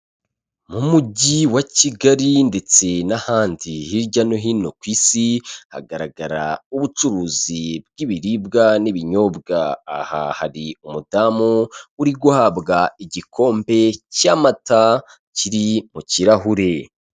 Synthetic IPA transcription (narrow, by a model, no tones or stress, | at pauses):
mumuɟiwaciɡaɾinde̞t͡se̞nahaːndihiɾɟanoɦino̞kwiːsiha̰ɡaɾaɡaɾa̰uβut͡ʃuɾuːzibɡiβiɾibɡaniβiɲo̞bɡaːha̰ha̰ɾiumudamouɾiɡuhabɡaiɟikʰo̞ːmbe̞caːmata | ciɾimuciɾaɦuɾe̞